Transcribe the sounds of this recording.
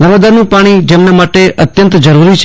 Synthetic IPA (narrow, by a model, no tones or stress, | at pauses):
nəʋad̪aɾnũpaɽ̃id͡ʒemnamaʈeʔət̪jənt̪d͡ʒəɾuɾit͡ʃʰ